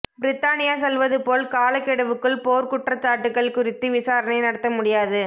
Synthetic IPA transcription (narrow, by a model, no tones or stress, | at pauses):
bɪɾɪt̪ːaːnɪjaːs̬ɛlʋɐðɯpoːlkaːlɐkːɪɽɐʋɯkːɯɭpoːɾkʊʈrɐt͡ʃːaːʈːɯkːɐɭkʊrɪt̪ːɯʋɪsaːɾɐnɐɪnɐɽɐt̪ːɐmʊɽɪjaːðɯ